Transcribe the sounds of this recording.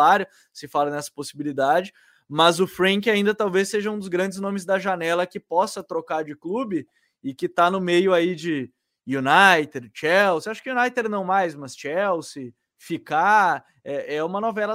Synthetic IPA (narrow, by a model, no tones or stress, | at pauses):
aɾjʊ | sɪfalɐnɛsɐ̥posibilid̪ad͡ʒɪ | mɐzʊfɾɐ̃kɪaĩnd̪ɐt̪awvesːeʒɐũd̪ʊzɡɾɐ̃nd͡ʒɪznõmɪzd̪ɐʒanɛlɐkɪpɔsɐt̪ɾokaɾd͡ʒɪklubɪ | ɪkɪt̪anʊmejʊaid͡ʒɪ | junajt̪eɾt͡ʃɛwsaʃʊ̥kɪjunajt̪eɾnɐ̃w̃majsmɐst͡ʃɛwsɪ | fika | ɛɛũmɐnovɛlɐ